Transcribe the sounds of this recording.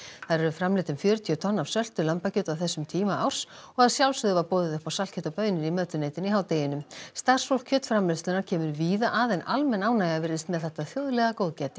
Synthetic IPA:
θaðɾɛɾʏfɾamlɪt̪ʏmfjœːɾʏt̪ʰiʏt̪ʰɔnːav̥sœl̥t̪ʏɾlampacʏːt̪awθɛsːʏmt̪ʰiːmaawr̥sɔɣaðaɾ̥sjawlsʏðʏvaɾpoːwðɪðʏhpawsal̥cʰɛt̪apœɥnɪɾimœːt̪ʏneːjt̪ɪniɦaːwt̪eːjɪnʏmst̪ḁsfowlkcʰœːt̪fɾamlɛst̪lɪnaɾ̥cʰɛːmʏɾviːðaʔaːðejnʔalmɛnaːwnajɣavɪɾɪst̪mɛðθɛht̪aθjowðlɛɣakowðcɛt̪ɪ̥

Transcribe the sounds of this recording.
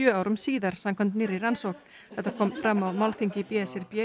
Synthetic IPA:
øːawɾɔmsiːðaɾ̥samkʰɔmt̪nɪɾiɾansɔkn | ɛt̪akʰɔmfɾamːawmalθiŋkɪpjɛːsɪɾpjɛ

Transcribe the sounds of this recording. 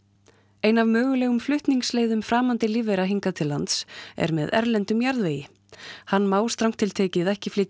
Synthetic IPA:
ejnavmœːɣʏlɛːɣʏmflʏht̪niŋksleːjðʏmfɾaːmant̪ɪliːvɛɾaɦiŋkat̪ʰɪlːant̪sɛ̰ɾmɛ̰ðɛ̰ɾlɛnt̪ʏmjaɾðveːjɪ | hanːmaːwst̪ɾawŋk̚t̪ʰɪlt̪ʰɛːcɪðɛhcɪflɪːt̪

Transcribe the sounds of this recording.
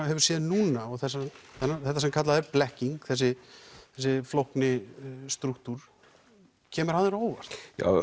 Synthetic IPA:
hɛvʏɾ̥sjɛːðɪnuːnaɔɣθɛsːaθɛnːaθɛht̪̬ːasɛmkʰat̪laðɛɾplɛhciŋkθɛs̬ɪθɛsːɪflohknɪst̪ɾukt̪uɾ̥ | cʰɛːmʏɾ̥hanðɪɾoːwvaɾ̥t̪ja̰

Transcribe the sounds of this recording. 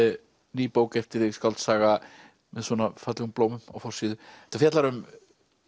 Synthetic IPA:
niːpoːwkɛjft̪ɪɾɪɣskalt̪saːɣa | mɛðswɔnafat̪lɪɣʏmploːwmʏma̰wfɔr̥siːðʏɛt̪ːafjɛt̪laɾʏm

